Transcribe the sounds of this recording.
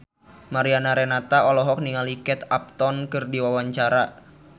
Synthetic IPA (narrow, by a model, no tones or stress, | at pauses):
maɾianaɾɛnat̪aɔlɔɦɔk̚niŋalikɛt̪ap̚t̪ɔnkɨrdiwawaɲt͡ʃaɾa